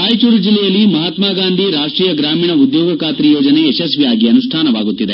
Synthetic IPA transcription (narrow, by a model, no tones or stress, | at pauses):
aːjt͡ʃuɾud͡ʒilːɛjɐlːimɐɦat̪maːɡaːnd̪ʱiɾaːʂʈɾiːjɐɡɾaːmiːɳɐud̪joːɡɐkaːt̪ɾijoːd͡ʒɐneːʃɐsʋijaːɡiɐnuʂʈʰaːnɐʋaːɡut̪ːid̪e